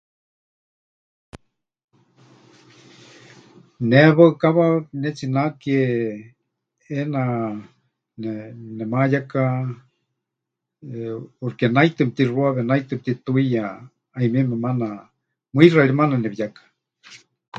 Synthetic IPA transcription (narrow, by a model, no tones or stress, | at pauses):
neβaɨkaβanɛt͡sinakie | ena | nenɛmajaka | urkenajt̪ɨmt̪iruaβenajt̪ɨp̚t̪it̪uija | aimimemana | mɨiraɾimananɛβijakḁ